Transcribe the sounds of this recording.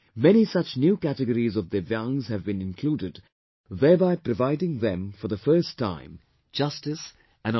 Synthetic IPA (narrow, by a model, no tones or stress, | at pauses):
mɛñisʌt͡ʃnjuːkætɨɡəɾizɔvðəjʌ̃ŋzhɨvbɨ̃nɪ̃nkʰluːɾɪd | ðɛːɹbaɪpɾəvaɪdɪ̃ŋðɛ̃mfɔ˞ðəfɜ˞stʰːã̰ɪ̃m | d͡ʒʌstɨs | ʔɨ̃n